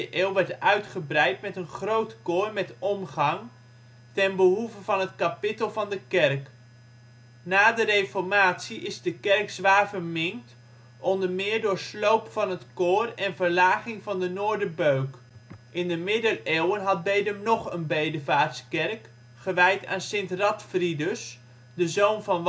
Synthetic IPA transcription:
əʔɪːlˠʋɛɹtœɥtχəbrɛjtmɛtənχrowtkʊːɹmɛtɔmχɑŋ | tɛnbəɦuvəvɑnətkapɪtəlˠvɑndəkɛrk | naːdərejfɔɹmaːtsiʔɪzdəkɛɹksʋaːɹvəɹmɪŋkt | ʔɔndəɹmɪːɹdʊːɹslowpfɑnɦətkʊːrɛnvəɹlaːχɪŋvɑndənʊːɹdəbøɥk | ʔɪndəmɪdəleːwənɦɑd̚bejdəmnɔχənbejdəvaːtskɛrk | χəʋɛjta̰ːnsɪntrɑtfridəs | dəzownvɑn

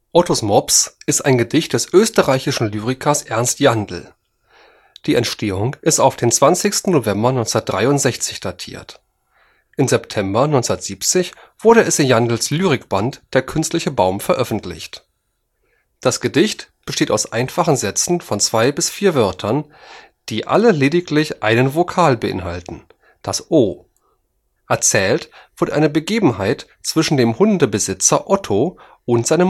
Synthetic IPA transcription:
ʔɔtosmɔpsʔɪstaɪnɡədɪçt̚d̥ɛsʔøːstəʁaɪçɪʃn̩lyːʁɪkʰɐsʔɛɐnstjandl̩ | d̥iːʔɛntʃtʰeːʊŋʔɪstaʊfd̥eːnt͡sv̥ant͡sɪçstn̩ːovɛmbɐnɔʏnt͡snɐtd̥ʁaɪʊntz̥ɛçt͡sɪçd̥aːtʰḭːɐt | ʔɪmzɛptʰɛmbɐnɔʏnt͡sɔndɐtz̥iːpt͡sɪçv̥ʊɐɾəɛsɪjandl̩slyːʁɪkb̥antd̥eːɐkʰʏnstlɪçəbaʊmfɛɐʔœfn̩tʰlɪ̰çt | d̥asɡ̥ədɪçtb̥əʃteːta̰ʊsʔa̰ɪnfaχn̩zɛt͡sn̩fɔnt͡sv̥aɪbɪsfiːɐvœɐtʰɐn | d̥iːʔa̰ləleːdɪklɪçʔaɪnənvokʰaːlbəʔɪ̰nɦaltn̩ | d̥asʔoː | ʔɛɐt͡sɛːltv̥ʊɐdəʔa̰ɪnəbəɡeːbm̩haɪt | t͡sv̥ɪʃn̩deːmhʊndəbəzɪt͡sɐʔɔtʰo | ʊntz̥aɪnəm

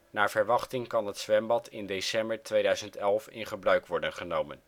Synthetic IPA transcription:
naːɹvəɹʋɑχtɪŋkɑnɦətsʋɛmbɑtʰɪndesɛmbəɹtʋejdœɥzəntɛlˠfɪ̰nχəbrœɥkʋɔɹdənχənowmən

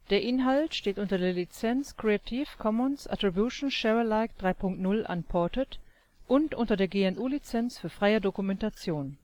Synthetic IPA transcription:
d̥eːɐʔɪnɦaltʃteːtʔʊntɐdeːɐlit͡sɛnskʁ̥eatʰiːfkʰɔmɔnsʔa̰tʁ̥ibjuʃn̩ʃɛʁəlaɪkd̥ʁaɪpʰʊŋk̚tnʊlʔa̰npʰɔɐtət | ʔʊntʔʊntɐdeːɐɡeːɛnʔuːlit͡sɛnsfyːɐfʁ̥aɪədokumɛntat͡sjoːn

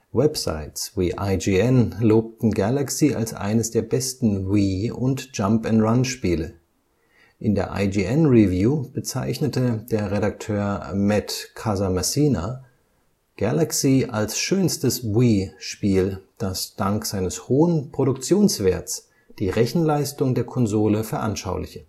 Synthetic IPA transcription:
wɛpsa̰ɪtswiːʔaɪd͡ʒiɛnloːp̚tn̩ɡalaksiːa̰lsʔa̰ɪnəsd̥eːɐbɛstn̩wiːʊ̰ntʒ̥ampɛntʁanʃpiːlə | ʔɪndeːɐʔa̰ɪd͡ʒiʔɛnʁivjuːb̥ət͡sa̰ɪçnətʰəd̥eːɐʁeɾak̚tʰøːɐmɛtkʰazamasiːna̰ | ɡ̥alaksiːʔalsʃøːnstəswiːʃpiːld̥asd̥aŋkz̥aɪnəshoːənpʁ̥oɾʊkt͡sjoːnsv̥eːɐtt͡s | d̥iːʁɛçn̩laɪstʊŋdeːɐkʰɔnzoːləfɛɐʔanʃaʊlɪ̰çə

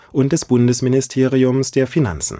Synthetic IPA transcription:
ʔʊnt̚d̥ɛsb̥ʊndəsmɪnɪstʰeːʁiʊmsd̥eːɐfina̰nt͡sn̩

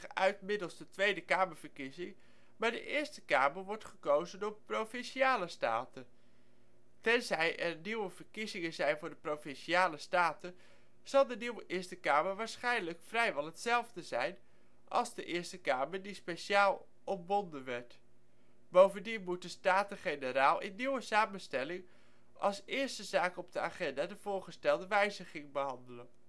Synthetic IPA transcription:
œɥtmɪdəlˠsdətʋejdəkaːməɹv̥əɹkizɪŋ | maːɹdə̰ʔɪːɹstəkaːməɹʋɔɹtχəkowzənɔprowfɪnʃiaːləsta̰ːtə | tɛnzɛjʔɛɹniwəvəɹkizɪŋənzɛjnvʊːɹdəprowfɪnʃiaːləstaːtə | z̥ɑlˠdəniwəʔɪɹstəkaːməɹʋaːɹsχɛjnləkfrɛjʋɛlˠɦətsɛlˠvdəzɛjn | ʔɑ̰lˠzdəʔɪːɹstəkaːməɹdispeʃaːlˠ | ɔmbɔndənʋɛɹt | bowvəndinmut̚dəstaːtəχejnəɾaːlˠɪ̰nːiwəsaːmənstɛlɪŋ | ʔɑ̰lˠsɪːɹstəzaːkɔb̚dəaːχɛndaːdəvʊːɹχəstɛlˠdəʋɛjzəχɪŋbəɦɑndələn

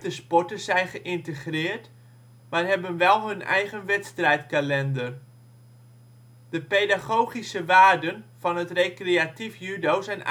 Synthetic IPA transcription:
təspɔtəzɛjnχəʔɪntəχrɪːrt | marɦɛbənʋɛlˠɦɵnɛ̰jχənʋɛtstrɛjtkalɛndər | d̥əpejdaχowχisəʋaːrdənfɑnɦətrejkreatifjydowsɛn

